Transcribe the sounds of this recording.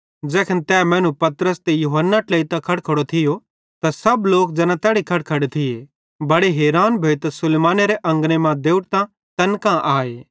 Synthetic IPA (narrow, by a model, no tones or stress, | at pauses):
d͡ʒɛːkʰənt̪ɛːmɛ̃ːnũpɐt̪ɾəst̪ejuːɦənːaʈleːit̪akʰɐɽkʰɐɽot̪ʰɪjo | t̪asɐbloːk̚d͡zɐnãt̪ɛːɽikʰɐʈ̚kʰɐɽet̪ʰɪe | bɐɽeɦeːɾaːnbʱeːt̪asʊleːmaːneɾeʔɐ̃ŋɡnemãd̪eːʊʈt̪ã | t̪ɐnkãʔaːeː